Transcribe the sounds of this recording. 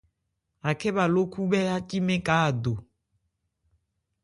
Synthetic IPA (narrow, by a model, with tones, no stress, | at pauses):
a˨kɛ˦βa˨lo˦ku˦bɛ˦a˦ci˦mẽ˦ka˨˦a˨do˨